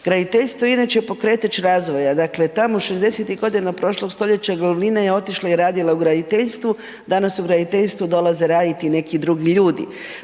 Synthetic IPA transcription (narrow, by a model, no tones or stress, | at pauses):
ɡ̥ɾad̪it̪eʎst̪ʋojinat͡ʃepo̞kɾe̞ːt̪at͡ɕɾaːzʋo̞jad̪akle̞t̪amoʃe̞zd̪e̞set̪iɡo̞d̪inapɾo̞ʃlˠo̞ɡst̪o̞ʎe̞t͡ɕaɡoluʋlinajeo̞t̪iʃlˠaiɾaːd̪ilˠauɡɾad̪it̪eʎst̪ʋu | d̪anasuɡɾad̪it̪eʎst̪ʋud̪o̞lˠaze̞ɾaːd̪it̪ine̞kid̪ɾuɡiʎuːd̪ḭ